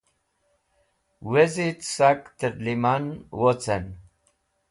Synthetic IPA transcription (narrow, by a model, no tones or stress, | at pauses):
wezit̪sakt̪əɾlimanwot͡sen